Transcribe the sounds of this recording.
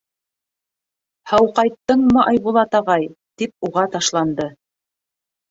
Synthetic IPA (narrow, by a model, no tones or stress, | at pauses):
hɑwqɑjt̪ːɤɴmɤʔɑjβulˠɑt̪ɑʁɑjt̪ip̚uʁɑt̪ɑʃlˠɑnd̪ɤ